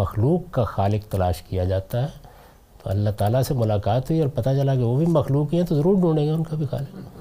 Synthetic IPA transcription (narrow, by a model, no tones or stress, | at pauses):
mɐxluːkːaxaːlɪkt̪ɐlaːʃkijad͡ʒaːt̪aɦɛ | t̪o̰ɐlːaɦt̪aːlasemʊlaːkaːt̪ɦuiɔːɾpɐt̪at͡ʃɐlakeʋobʱimɐxluːkɦiɦɛ̃t̪ozɐɾuːɾɖũːɳẽːɡaʊnkabʱixa̰ːlɪkɛ